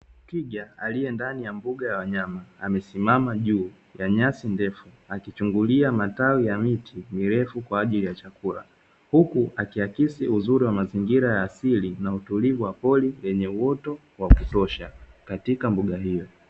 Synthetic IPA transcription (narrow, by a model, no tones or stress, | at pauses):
kiʄaalijɛndanijambuɠajawaɲamaːmɛsimamaʄuː | jaɲasindɛfu | akit͡ʃuŋɡuliamatawijamitʰimiɾɛfukwaːʄilijat͡ʃakula̰ | hukuakiakisiuzuɾiwamaziŋɡiɾajaːsilinautulivuwapɔlilɛɲɛuwɔtɔ | wakutɔʃakatikambuɠaɦijɔ